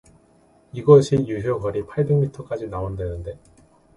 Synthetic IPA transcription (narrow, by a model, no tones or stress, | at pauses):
iɡʌɕʰijuɦjokʌɾipʰaɭbeŋmitʰʌk͈ad͡ʑinaondwe̞nɯnde̞